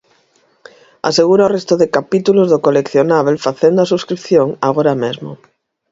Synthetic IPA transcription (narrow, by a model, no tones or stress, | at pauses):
a̰seɣ̞uɾaorest̪oðekapit̪ulozðokolekθjonaβ̞elfaθend̪oasuskɾip̚θjoŋaɣoɾamezmo̰